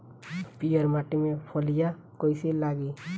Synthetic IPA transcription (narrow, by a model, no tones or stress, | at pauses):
pijəɾmaːʈimẽpʰəlija | kɔjselaːɡi